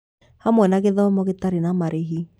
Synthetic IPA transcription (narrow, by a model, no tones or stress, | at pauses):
hamwɛnaɣeðɔmɔɣetaɾenamaɾʔeɦi